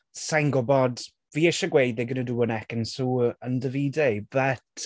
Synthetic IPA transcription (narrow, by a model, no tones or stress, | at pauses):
sajŋɡɔbɔd | viːɪʃaɡwejd̪ðeɡənəduːənɛkənsuːəndəviːdejb̥ət